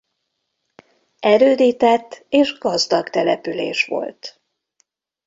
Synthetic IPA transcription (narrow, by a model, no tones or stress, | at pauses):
ɛɾøːd̪iːt̪ɛt̪ːeːʒɡɒzd̪ɒɡt̪ɛlɛpylḛːʃʋo̞̰lt̪